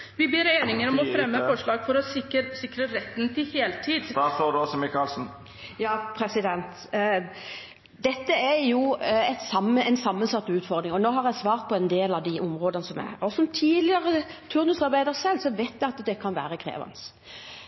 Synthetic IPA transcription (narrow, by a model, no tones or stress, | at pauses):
ʋɪbeːɾeːnɪŋəɾɔmɔfɾɛmːəfɔʂɭɑːɡfɔɾɔɪsɪkɾəɾɛt̪ːnt̪ʰɪheːlt̪ʰiːd̪d̪ɑːsoːd̪ʉɔsɔmɪkɑlsn̩ | jɑːpʰɾɛsɪd̪ɛnt̪ | d̪ɛt̪ːəæɾjʊɛt̪sɑmːəɛnsɑmːənsɑt̪ːʉːt̪fɔɾd̪ɾɪŋɔnoːɦɑɾjæɪsʋɑːɾt̪̚pʰɔɛnd̪eːlɑʋd̪ɪʔʊmʁoːd̪ənəsɔmæ̰ɾɔsɔmt̪ʰiːlɪəʁət̪ʰʉɾnʉsɑɾbæɪd̪əɾsɛlsɔʋeɪt̪jæɪɑt̪d̪ɛkʰɑnʋæ̰ːɾəkʰʁḛːʋɑ̰ns